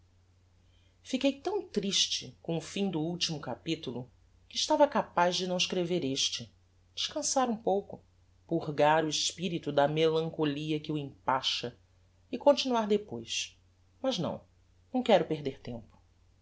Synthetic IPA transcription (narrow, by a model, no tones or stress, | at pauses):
fikejt̪ɐ̃w̃t̪ɾiʃt͡ʃɪkõʊfĩd̪ʊuwt͡ʃimʊkapit̪ulʊ | kɪːʃt̪avɐkapazd͡ʒɪnɐ̃w̃ɪʃkɾeveɾeʃt͡ʃɪ | d͡ʒɪ̥ʃkɐ̃saɾũpowkʊ | puɦɡaɾʊɪʃpiɾit̪ʊd̪ɐmelɐ̃ŋkoliɐkɪuĩpaʃɐ | ikõnt͡ʃinuaɾd̪epojs | mɐznɐ̰̃w̃ | nɐ̃w̃kɛɾʊpeɦd̪eɾt̪ẽmpʊ̥